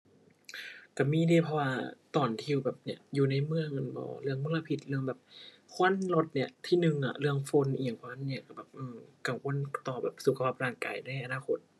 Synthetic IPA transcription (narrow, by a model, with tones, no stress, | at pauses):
ka˧˩miː˧˥˨diː˧˩˨pʰɔ˧waː˧t̪ɔː˨˩nt̪ʰi˧˨wbɛː˨˩p̚ni˧˩ɐjuː˨˩na˧˩jmɯ˧əŋɤ˧˩nbɔ̰ː˧˦ɾɯ˧˩əŋmu˧˥˨la˧pʰi˧˩t̪̚lɯ˥˧˩əŋbɛː˨˩p̚ | kʰo˧˥˨nlo˧˩t̪̚ni˧˩ət̪ʰiː˧˥˩nɯ˨˧ŋʔa̰˨˩lɯ˥˧˩əŋfo˧˥˨nʔiː˧˩ŋpʰɔ˧a˧˥˨nːi˧˩˨ka˧˩bɛː˨˩p̚ʔɯː˧˩ka˧˩ŋwo˧˥˨nt̪ɔː˨˩bɛː˨˩p̚su˨˩kʰa˧pʰa˧˩p̚ɾaː˧˩ŋka̰ː˨˩jna˧˩˨jʔa˧naː˧˨kʰo̰˧˦t̪̚